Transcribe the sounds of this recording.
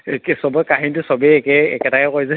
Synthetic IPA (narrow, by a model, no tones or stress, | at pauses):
ksɔbɔkaɦintusɔbɛɛkɛɛ̰kɛtakɛkojzɛ